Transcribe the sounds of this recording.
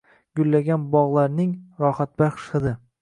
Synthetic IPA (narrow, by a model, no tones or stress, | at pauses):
ɡʲʊlːaɡʲanbɒʁlˠaɾnɪŋɾɒχat̪̚baɾχʃχɨd̪ɪ